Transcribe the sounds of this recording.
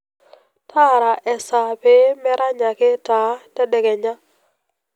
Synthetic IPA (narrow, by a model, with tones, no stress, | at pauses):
tʰa˦ɾa˨ʔɛ˨sa˨pe˦mɛ˦ɾa˦ɲa˨kɪ˦ta˨˦tɛ˦dɛ˨kɛ˨ɲa˦